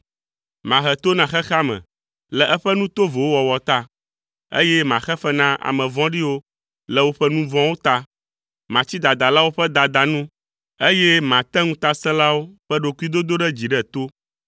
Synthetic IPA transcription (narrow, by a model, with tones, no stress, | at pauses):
mã˨ɦɛ˨t̪o˦nã˨xɛ˦xa˦mɛ̰̃˨ | lɛ˨ʔɛ˦ɸɛ˦nũ˦t̪o˦vo˨wo˦wɔ˨wɔ˨t̪a˦ | ḛ˦jɛ˦mã˨xɛ˦ɸɛ˦nã˦ʔa̰˨mɛ̃˨vɔ̃˦ɖi˦wo˦ | lɛ˨wo˦ɸɛ˦nũ˦vɔ̃˦wo˦t̪a˦ | mã˨t͡ɕi˦d̪a˨d̪a˨la˦wo˦ɸɛ˦d̪a˨d̪a˨nũ˦ | e˦jɛ˦mã˨t̪ɛ˦ŋũ˦t̪a˦sɛ̃˦la˦wo˦ɸɛ˦ɖo˨ku˦i˦d̪o˦d̪o˦ɖɛ˦d͡ʑi˨ɖɛ˦t̪o˦